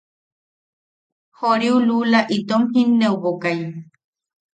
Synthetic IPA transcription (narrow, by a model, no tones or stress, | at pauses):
hoɾiululaʔit̪omhĩnːewbokaj